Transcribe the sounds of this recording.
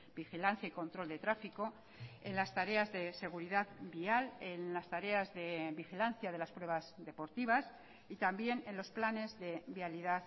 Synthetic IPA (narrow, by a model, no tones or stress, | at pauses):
bixilan̟θjaiko̞nt̪ɾo̞ld̪e̞t̪ɾafiko̞ | enlast̪aɾe̞azðe̞se̞ɣ̞uɾiðaðbiale̞nlast̪aɾe̞azðe̞βixilan̟θjaðelaspɾwe̞βazðe̞po̞ɾt̪iβ̞as | it̪ambje̞ne̞nlo̞splane̞zðe̞βialiðað